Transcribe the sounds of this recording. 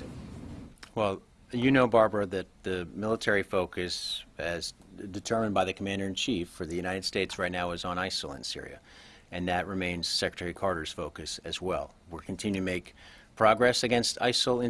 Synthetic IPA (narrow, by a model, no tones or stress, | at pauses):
wɛlˠ | jɨnoʊbɑɹbɨðɨt̪̚ðɨmɪlˠətʰɛɹifoʊkɨsɨzdɨtʰɜ˞mə̃nbaɪðɨkʰəmæ̃ndə˞ɨ̃nt͡ʃʰifə˞ðɨjʉñaɪɾɨd̥steɪtsɹaɪtⁿnaʊɨzn̩aɪsl̩ˠə̰̃nsɪ̰ɹḭɨ̰ | ɨ̃nðɨʔ̚ɹɨmẽɪ̃nz̥sɛkɹətʰɛɹikʰɑɹɾə˞z̥foʊkɨsɨzwɛlˠwɪɹkʰn̩tʰɪ̃njʉɨ̃meɪkpʰɹ̥ɑɡɹɛsɨɡɛ̃nstʰa̰ɪsl̩ˠɪ̃